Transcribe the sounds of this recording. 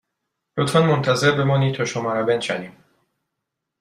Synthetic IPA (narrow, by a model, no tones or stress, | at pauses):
lot̪fænmont̪ʰæzeɾbemɒːniːt̪ʰɒːʃomɒːɾæbenʃæd̪iːm